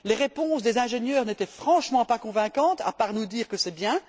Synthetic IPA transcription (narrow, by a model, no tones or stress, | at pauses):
leʁepɔ̃sd̪ezɛ̃ʒenjœːʁnet̪ɛfχɑ̃ʃmɑ̃pakɔ̃vɛ̃kɑ̃t̪a̰paʁnud̪iːʁkəsɛbjɛ̃